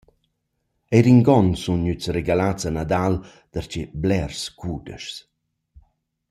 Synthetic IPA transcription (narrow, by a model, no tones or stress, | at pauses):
ejɾiŋɡɔnsunɲyt͡sreɡalat͡sanad̪al | d̪̥əɾt͡ʃeblɛrskudə̰ʃs